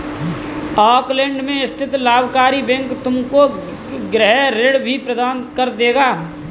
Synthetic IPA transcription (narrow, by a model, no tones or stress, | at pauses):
ɔːklɛ̃ːɳɖmẽɪst̪ʰɪt̪laːbʱkaːɾibɛ̃ŋkt̪ʊmko | ɡɾɛɦɾeɽbʱipɾəd̪aːnkɐɾd̪eːɡaː